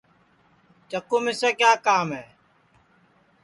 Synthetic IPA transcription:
t͡ʃəkuːmɪseːkjaːkaːmɦɛː

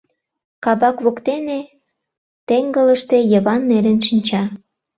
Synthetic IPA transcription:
kɑβɑkβokt̪ene | t̪eŋɡələʃt̪e̽jəβɑnːeɾənʃinʲt͡ɕɑ

